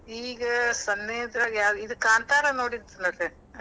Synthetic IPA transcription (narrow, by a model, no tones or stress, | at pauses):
iːɡɐsɐnːeːd̪ɾaːɡjaːðiðɯkaːnt̪aːɾɐnoːɽiɾt̪ɐnɐɾe